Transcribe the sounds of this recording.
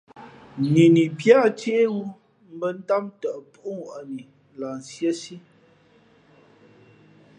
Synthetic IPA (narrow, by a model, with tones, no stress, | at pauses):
ni˨ni˨pja˦˨teː˦wu˦ | m̩˦bə˦n̩˦ta˦mtə˨ʔpu˦ŋwa˨ni˨ | la˨n˨sjə˦si˦